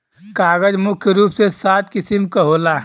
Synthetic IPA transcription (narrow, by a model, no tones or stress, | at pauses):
kaːɡəd͡ʒmʊkʰjəɾuːpsesaːt̪kisimkəɦoːla